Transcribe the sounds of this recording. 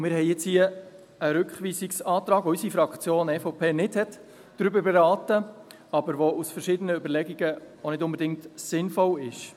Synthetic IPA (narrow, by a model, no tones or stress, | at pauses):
mɪːɾɦɛɪjjɛt͡shiə | əɾʏkχʋiːsiksɑːt̪ɾɑːɡ̥ʋoysifɾɑkχt͡sjoːnɛfɔpʰeːnɪthɛt | d̥ɾʏbəbɛɾɑːtə | ɑbəɾʋoʔusfəɾʃɪdənəøbəɾlɛɡiɡə | onɪdʊmbɛdɪŋk̚tsɪnfɔlɪʃ